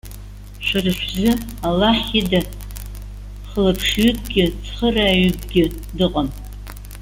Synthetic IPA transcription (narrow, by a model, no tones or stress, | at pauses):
ʃʷarɨʃʷᶣzɨalːaħida | χəlapʰʂɥʏk̚ʼɡʲɪt͡sʰχəraːɥʏk̚ʼɡʲɪ | dɨqʼam